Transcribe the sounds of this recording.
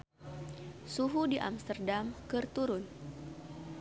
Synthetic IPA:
suɦudiʔa̰mst̪ərdamkɨrt̪uɾʊn

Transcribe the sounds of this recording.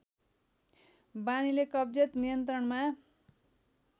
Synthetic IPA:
banilekʌb̚d͡zʌt̪nijʌnt̪ɾʌɳma

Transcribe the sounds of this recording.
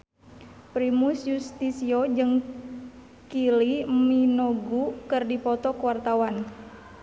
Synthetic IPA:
pɾimusjust̪isiod͡ʒɨŋ | kiliminoɡukɨrdipɔt̪ɔkuwart̪awan

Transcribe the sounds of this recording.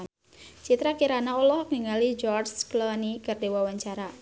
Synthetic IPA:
t͡ʃit̪ɾakiɾanaɔlɔhŋiŋalid͡ʒɔrsklɔnikardewawaɲt͡ʃaɾa

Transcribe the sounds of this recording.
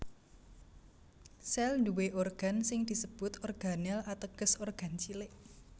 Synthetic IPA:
sɛlnduweʔorɡ̥a̤nsɪŋd̪̥i̤səb̥ʊt̪ɔrɡ̥a̤nɛlat̪əɡ̥ə̤sorɡ̥a̤nt͡ʃileʔ

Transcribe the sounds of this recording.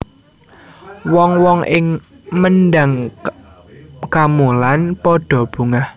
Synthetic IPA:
wɔŋwɔŋʔɪŋ | mənɖaŋ | kamolanpɔɖ̥ɔ̤b̥ṳŋah

